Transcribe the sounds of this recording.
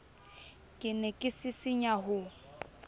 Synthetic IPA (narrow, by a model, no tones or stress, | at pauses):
kʼɪnɛkʼɪsɪsɪɲaɦʊ